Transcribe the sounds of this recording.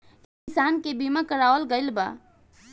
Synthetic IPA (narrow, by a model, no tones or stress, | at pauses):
kkisankebimakəɾaʋəlɡəɪlba̰